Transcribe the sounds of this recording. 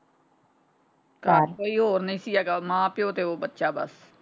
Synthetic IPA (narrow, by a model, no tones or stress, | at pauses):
kaːɾkoːiːɦoːɾnəĩːsiːɛːɡaːmãːpɪjõːt̪eːoːbətːʃaːbə̰s